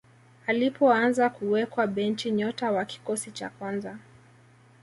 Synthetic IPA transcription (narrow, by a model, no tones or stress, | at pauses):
alipɔanzakuwɛkwaɓɛnt͡ʃiɲɔtawaki̥kɔsit͡ʃa̰kwanza